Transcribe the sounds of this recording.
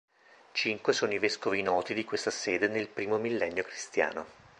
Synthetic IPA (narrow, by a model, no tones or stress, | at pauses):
t͡ʃiŋkwesoːnoiveskovinɔːt̪id̪ikwest̪asɛːd̪enelpɾiːmomilːɛnːjokɾist̪ja̰ːno̰